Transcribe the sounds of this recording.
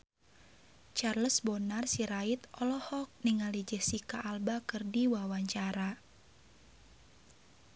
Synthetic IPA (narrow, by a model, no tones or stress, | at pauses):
t͡ʃarləsbɔnarsiɾait̪ɔlɔhɔk̚niŋalid͡ʒəsikaʔːlbakɨrdiwawaɲt͡ʃaɾa